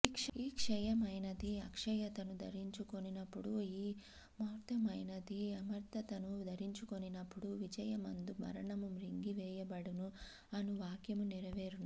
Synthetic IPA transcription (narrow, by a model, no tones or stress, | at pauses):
ikʂiːkʂɛjɐmɐjnɐd̪iɐkʂɐjɐt̪ɐnud̪ʱɐ̰ɾiɲt͡ʃuko̞ninɐpːuɽuiː | mɐːɾt̪ɐmɐjnɐd̪iɐmɐɾt̪ɐt̪ɐnud̪ɐɾiɲt͡ʃuko̞ninɐpːuɽuʋid͡ʒɐjɐmɐnd̪umɐ̰ɾɐɳɐmumɾiŋɡiʋɛːjɐbɐɽunu | ɐnuʋaːkjɐmuniɾɐʋeːɾun